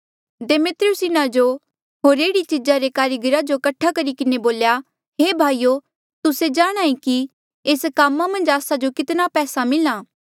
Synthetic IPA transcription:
demɪt̪ɾʊsɪnãd͡ʒo | ɦoːɾeːɽit͡ʃɪd͡ʒaɾekaːɾɪɡəɾad͡ʒokɐʈʰːakɐɾikɪneboːlja | ɦeːbʱaːijo | t̪ʊsed͡ʒaːɽ̃aːĩki | eːskaːmːamɐ̃nd͡ʒaːsad͡ʒokɪt̪napɛːsamɪlãː

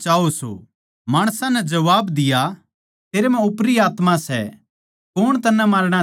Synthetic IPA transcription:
t͡ʃaːoso̰ | maːɽ̃sãnɛd͡ʒɐʋaːbd̪ɪja | t̪eːɾemɛ̃ʊpɾiaːt̪mãsɛ̰ | koːɽ̃t̪ɐnːɛ̃mɐlɽ̃a

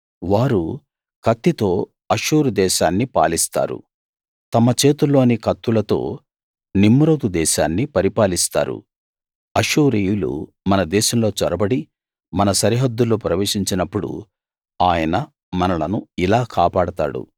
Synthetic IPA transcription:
ʋaːɾu | kɐt̪ːit̪o̞ː | ɐʂuːɾud̪ɛːʃaːnːipa̰ːlist̪a̰ːɾṵ | t̪ɐmɐt͡ʃeːt̪ulːo̞ːnikɐt̪ːulɐt̪o̞̰ː | nimːɾoːd̪ud̪ɛːʃaːnːipɐɾipaːlist̪a̰ːɾṵ | ɐʂuːɾiːjulṵ | mɐnɐd̪ɛːʃɐmlo̞ːt͡ʃɐɾɐbɐɽi | mɐnɐsɐɾiɦɐd̪ːuloːpɾɐʋe̞ːʂiɲt͡ʃinɐpːuɽṵ | aːjɐnɐ | mɐnɐlɐnuilaːkaːpaːɽɐt̪a̰ːɽṵ

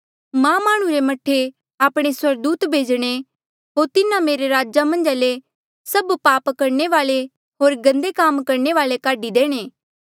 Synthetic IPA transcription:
mãːmaːɽ̃ũɾemɐʈʰːe | aːpɽ̃eswɐɾd̪uːt̪bʱeːd͡ʒɽ̃e | ɦoːɾt̪ɪnãmeːɾeɾaːd͡ʒamɐ̃nd͡ʒaːle | sɐbpaːpkɐɾneʋaːle | ɦoːɾɡɐ̃nd̪ekaːmkɐɾneʋaːlekaːɖid̪eːɽ̃eː

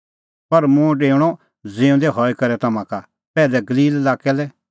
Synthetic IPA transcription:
pɐɾmʊ̃ɖeːɽ̃ɔ | d͡zẽːʊ̃d̪ɛɦɔikɐɾɛt̪ɐmãka | pɛːlɛɡɐliːlelaːkɛlɛ

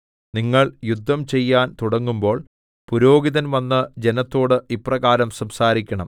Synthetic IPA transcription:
niŋːɐɭjud̪ʱːɐmt͡ɕe̞jːaːnt̪uɽɐŋːumbo̞ːɭ | puɾo̞ːɡiðɐnʋɐnːɨd͡ʑenɐt̪ːo̞ːɽɨiprɐɣaːɾɐmsɐmsaːɾikʲːɐɳɐm

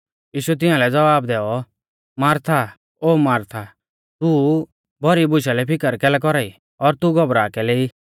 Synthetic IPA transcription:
jiːʃuɛt̪̬ɪ̃ãlɛd͡zɐʋaːbd̪ɛːɔ | maːɾt̪ʰa | oːmaːɾt̪ʰa | t̪u | bʱɔɾibʊʃalɛpʰɪkəɾkɛːlɛk̬ɔɾaːi | ɔɾt̪uɡɔbɾaːkɛleːi

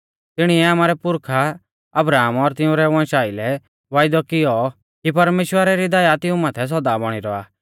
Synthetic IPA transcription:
t̪ɪɽ̃iɛaːmaːɾɛpʊɾkʰa | ɐbɾaːmɔɾt̪ɪʊ̃ɾɛʋãːʃaːilɛ | ʋaːjd̪ɔkɪjɔ | kipɐɾmeːʃwəɾaɾid̪ɐjat̪ɪũmaːt̪ʰɛs̬ɔd̪abɔɽ̃iɾɔa̰ː

